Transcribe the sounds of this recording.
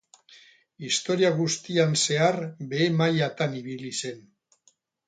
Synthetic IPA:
ist̪o̞ɾiaɣ̞ust̪ianse̞aɾbe̞ːmajat̪aniβilise̞n

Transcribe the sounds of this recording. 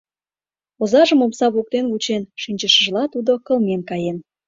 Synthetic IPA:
ozɑʒə̆momsɑβok̚t̪enɣut͡ɕenʃinʲt͡ɕəʃəʒlɑt̪ud̪okə̆lmenkɑjen

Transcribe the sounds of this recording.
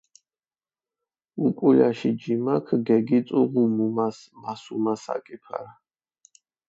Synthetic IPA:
ukʼulaʃid͡ʒimakʰɡɛɡit̪sʼuʁumumas | masumasa̰kʼipʰa̰ɾa

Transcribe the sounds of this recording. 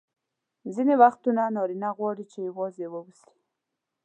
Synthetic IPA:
zinewaxt̪unanɑɾinaɣwɑɽit͡ʃejawɑzewəwusi̥

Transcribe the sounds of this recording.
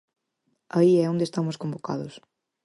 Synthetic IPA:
ɐiɛõnd̪est̪amʊskõmbokaðʊs

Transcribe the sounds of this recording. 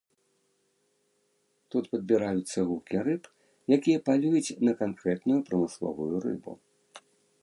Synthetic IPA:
t̪ut̪pɐd̪̚bʲiɾajut̪sːɐɣukʲiɾɨp | jakʲijɐpalʲujut͡sʲnɐkankɾɛt̪nujupɾɐmɨslˠɔ̰vujurɨ̰bṵ

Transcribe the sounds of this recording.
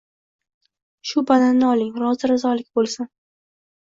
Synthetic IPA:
ʃʊbalanːɪɒlɪŋɾɒzɪɾɪzɒlɪkʲbolˠsan

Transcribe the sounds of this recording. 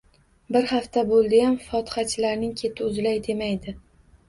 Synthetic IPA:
bɪɾhaft̪abolˠd̪ɪjamfɒt̪ʰɪ̥χat͡ʃʰɪlaɾnɪŋkʲʰe̞t̪ʰɪʊzlajd̪e̞majd̪ɪ

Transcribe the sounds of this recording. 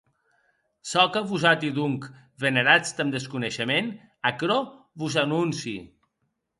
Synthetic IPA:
sɔkəβuzat̪iðuŋk | βəneɾat͡st̪əmd̪əskunəʃəmen | akɾo | βuzanunsi

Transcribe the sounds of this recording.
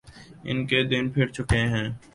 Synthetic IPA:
ɪ̰nked̪ɪnpʰɪɾt͡ʃʊkeɦɛ̃ː

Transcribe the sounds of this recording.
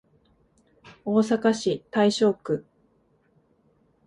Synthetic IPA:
o̞ːsakaɕit̪aiɕo̞ːkɯ̟

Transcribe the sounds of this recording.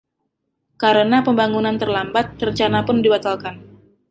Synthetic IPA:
kaɾənapəmbaŋunant̪ərlambat̪̚ːrət͡ʃanapʊndibat̪alkan

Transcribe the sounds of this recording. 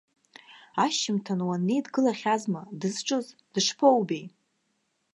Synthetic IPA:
aʃɪmtʰanwanːejdɡɨlaχʲazmadɨzʈ͡ʂʼɨzd̥ɨʂpʰowbej

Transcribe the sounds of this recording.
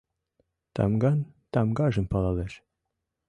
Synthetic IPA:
t̪ɑ̰mɡɑnt̪ɑmɡɑʒɤ̆mpɑlˠɑleʃ

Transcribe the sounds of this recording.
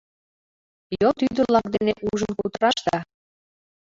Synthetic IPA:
jot̪yd̪əlɑk̚d̪eneʔuʒənkut̪əɾɑʃt̪ɑ

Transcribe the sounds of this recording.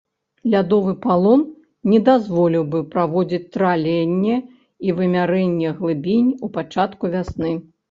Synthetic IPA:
lʲad̪ɔvɨpalˠɔn | nʲɛd̪azvɔlʲiwbɨpɾavɔd͡zʲit͡sʲt̪ɾalʲɛnʲːɛ | ivɨmʲaɾɛnʲːɛɣlˠɨbʲinʲupat͡ʂat̪kuvʲasnɨ

